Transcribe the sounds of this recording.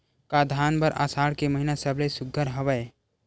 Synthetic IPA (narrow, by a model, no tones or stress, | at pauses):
kad̪ʱaːnbəɾʔa̰saːɽkeməɦinasəblesʊɡʱːəɾɦɐʋəe